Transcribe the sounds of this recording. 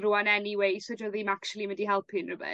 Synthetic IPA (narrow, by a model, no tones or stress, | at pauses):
ruanɛniwejsɔdɔðimakʃulˠiməndiɦɛlˠpʰɨnrəbɛ̰